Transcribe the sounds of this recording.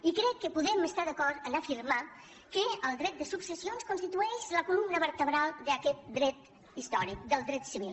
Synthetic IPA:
ikɾɛkːəpuðɛməst̪aðəkɔɾt̪ənəfiɾma | kəəlˠd̪ɾɛt̪̚d̪əsupsəsionskunst̪it̪uɛʃləkulumnəβəɾt̪əβɾalˠd̪əkɛt̪̚d̪ɾɛt̪ | ist̪ɔɾik̚d̪əlˠd̪ɾɛt̪siβilˠ

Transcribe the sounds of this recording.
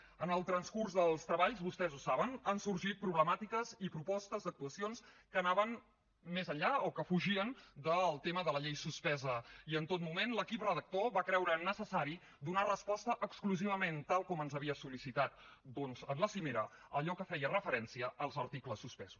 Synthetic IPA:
ənəlˠt̪ɾənskurzðəlˠst̪ɾəβaʎzβust̪ɛzusaβənənsuɾʒit̪̚pɾuβləmat̪ikəzipɾupɔst̪əzd̪ək̚t̪uəsionskənaβən | mezəɲʎaokəfuʒiənd̪əlˠt̪eməðələʎejsuspɛzəiənt̪ot̪mumenləkiprəðək̚t̪oβakɾɛwɾənəsəsaɾi | d̪unarəspɔst̪əʔːkskluziβ̞əment̪alˠkɔmənzəβiəsulisit̪at̪d̪onzənləsimeɾəəʎɔkəfɛjərəfəɾɛnsiəʔəlˠzəɾt̪ikləsːuspɛz̥u̥s

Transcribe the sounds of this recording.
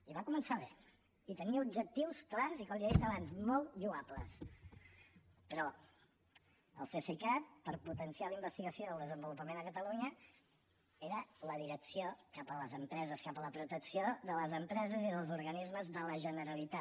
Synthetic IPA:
iβakumənsaβe | it̪əniəubd͡ʒək̚t̪iwsklazikɔmliəðit̪əβanzmɔlˠt̪ʒuaplə̰s | pɾɔ | ə̰lˠfesikat̪̚pəɾput̪ənsialəimbəst̪iɣəsijoðəlˠd̪əzəmbulupəmenəkət̪əluɲə | eɾələðiɾəksiokapələzəmpɾɛzəskapələpɾut̪əksioðələzəmpɾɛzəziðəlˠzuɾɣənizməzðələʒənəɾəlit̪a

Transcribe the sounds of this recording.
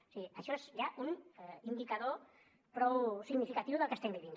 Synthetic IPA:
seiaʃoesʝaʔunind̪ikaðo | pɾowsiɣnifikat̪iβuðakast̪embiðin

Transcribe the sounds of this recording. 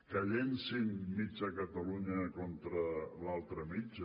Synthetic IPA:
kəʎensinmid͡ʒəkət̪aluɲəkɔnt̪ɾəlalˠt̪ɾəmid͡ʒ

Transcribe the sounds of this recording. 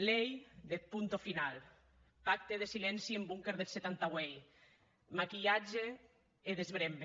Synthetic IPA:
lejd̪epunt̪ofinal | pak̚t̪eðesilɛnsiembuŋkeɾðelset̪ant̪awej | makiʎad͡ʒeː | ðezβɾembe

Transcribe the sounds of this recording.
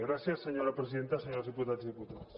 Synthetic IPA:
ɣɾaθjasːeɲoɾapɾesiðent̪aseɲoɾazðiput̪at̪eszðiput̪aðos

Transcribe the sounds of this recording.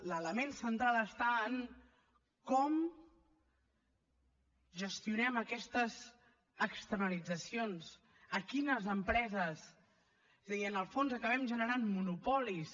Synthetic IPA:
lələmensənt̪ɾaləst̪aən | kɔm | ʒəst̪iunɛməkɛst̪əz | əkst̪əɾnəlid͡zəsions | əkinəzəmpɾɛzəs | ezəðiənəlˠfonzəkəβ̞ɛmʒənəɾanmunupɔlis

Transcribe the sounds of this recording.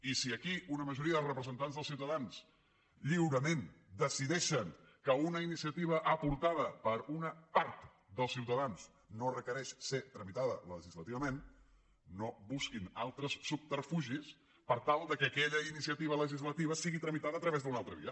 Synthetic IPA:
isiəkiunəməʒuɾiəðlˠrəpɾəzənt̪anzðlˠsiwt̪əðanz̥ | ʎiwɾəmend̪əsiðɛʃəŋ | kəunəinisiət̪iβ̞əʔəpuɾt̪aðəpəɾunəpaɾt̪ | d̪əlˠsiwt̪əðanz | norəkəɾɛʃset̪ɾəmit̪aðə̰ləʒizlət̪iβəmen | noβuskina̰lˠt̪ɾəsːup̚t̪əɾfuʒis | pəɾt̪alˠd̪əkəkɛʎəinisiət̪iβ̞ələʒizlət̪iβ̞əsiɣit̪ɾəmit̪aðəːt̪ɾəβezðəunalˠt̪ɾəβḭə

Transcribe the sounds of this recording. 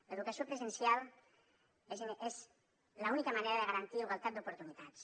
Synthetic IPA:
laeðukasiopɾezensjal | ezez | launikamaneɾaðeɣaɾant̪iuɣalˠt̪at̪̚d̪upuɾt̪unit̪at̪s

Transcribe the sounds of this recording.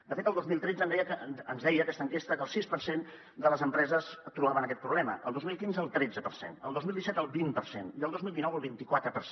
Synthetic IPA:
d̪əfet̪əlˠd̪ozmilˠt̪ɾɛdd͡zənd̪ɛjəkəənzðɛjəːkɛst̪əŋkest̪əkəlˠsispəɾsen | d̪ələzəmpɾɛzəst̪ɾuβaβənəkɛt̪pɾuβlɛmə̰ʔə̰lˠd̪ozmilˠkinzəlˠt̪ɾɛd͡zəpəɾsḛnə̰lˠd̪ozmilˠd̪isɛt̪əlˠβimpərsḛniəlˠd̪ozmilˠd̪inɔwəlˠβint̪ikwat̪ɾəpəɾs

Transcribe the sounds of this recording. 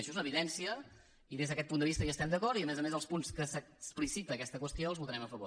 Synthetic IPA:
əʃɔzunəβiðɛnsiə | iðezðəkɛt̪̚pund̪əβist̪əʒaːst̪ɛmnd̪əkɔɾt̪iəmɛzəmezəlˠspunskəsəsplisit̪əːkɛst̪əkwəst̪ioəlˠzβut̪əɾɛməfəβo̰

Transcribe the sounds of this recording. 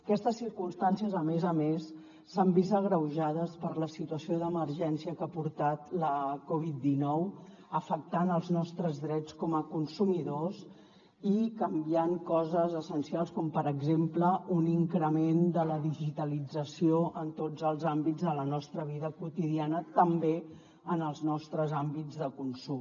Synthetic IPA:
əkɛst̪əsːiɾkumst̪ansiəzəmezəmesː | əmbist̪əɣɾəwʒaðəspəɾləsit̪uəsioðəməɾʒɛnsiəkapuɾt̪at̪ləkɔβid̪̚d̪inɔw | əfək̚t̪anəlˠznɔst̪ɾəzðɾɛt͡skɔməkunsumiðoz | ikəmbiaŋkɔzəzəsənsialˠskɔmpəɾəɡzempləuniŋkɾəmend̪ələðiʒit̪əlid͡zəsioʔənt̪od͡zəlˠzambid͡zðələnɔst̪ɾəβ̞iðəkut̪iðianət̪əmbe | ənəlˠznɔst̪ɾəzambid͡zðəkunsum

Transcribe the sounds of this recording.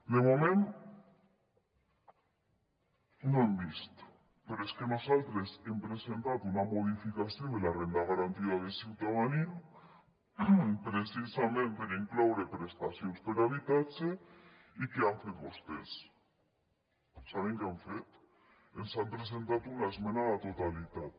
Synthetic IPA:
d̪emomẽnt̪ | nõembist̪ | peɾoeskenosalt̪ɾesempɾesent̪at̪unamoðifikaθjond̪elarend̪aɣaɾant̪iaðesiwt̪aβanin | pɾesisamẽnt̪eɾeŋklawɾepɾest̪aθjonspeɾaβit̪at͡ʃe | ikeaɱfeŋbost̪es | saβeŋkaɱfet̪ | ensampɾes̬ent̪at̪unaezmẽnaðat̪ot̪alit̪at̪

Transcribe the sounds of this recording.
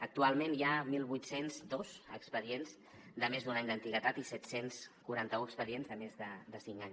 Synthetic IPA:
ək̚t̪ualˠmẽnjamilˠβujt̪senzd̪ozəkspəðienz | d̪əmezd̪unaɲd̪ənt̪iɣət̪at̪isɛt̪senskuɾant̪əuəkspəðienzðəmezðəd̪əsiŋkaɲ

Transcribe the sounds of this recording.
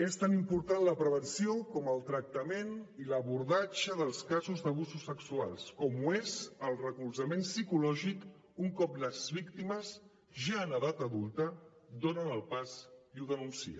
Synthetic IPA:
est̪animpuɾt̪anləpɾəβ̞ənsiokɔməlˠt̪ɾək̚t̪əmeniləβuɾðat͡ʃəðəlˠskazuzðəβ̞uzusːəksua̰lˠskɔmuezəlˠrəkulzəmensikulɔʒik | uŋkɔpləzβikt̪iməz | ʒaənəðat̪əðulˠt̪ə | d̪onənəlˠpaziuðənunsḭə̰

